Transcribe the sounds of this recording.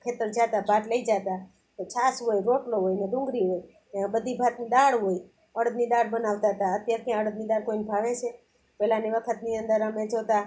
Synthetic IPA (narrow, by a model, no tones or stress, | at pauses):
kʰet̪əɾd͡ʒat̪abʱaʈləid͡ʒat̪a | t̪ot͡ʃʰasɦojɾoʈloɦojned̪ʊ̃ŋɡɾiɦoj | ãbəd̪ʱibʱat̪nid̪aɽɦoi | əɽəd̪nid̪aɽbənaʋt̪aɦət̪aət̪jaɾkjãəɽəd̪̚nid̪aɽkoinbʱaʋet͡ʃʰe | pɛlaniʋəkʰət̪niənd̪əɾəmed͡ʒot̪a